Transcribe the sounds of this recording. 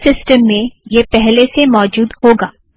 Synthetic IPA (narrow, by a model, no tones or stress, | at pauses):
sɪsʈəmːẽjepɛɦlesemɔːd͡ʒuːd̪hoːɡaː